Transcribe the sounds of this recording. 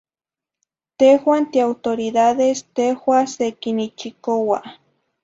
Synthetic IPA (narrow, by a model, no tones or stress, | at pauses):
t̪ehwant̪iawt̪oɾiðaðest̪ehwasekinit͡ʃikowa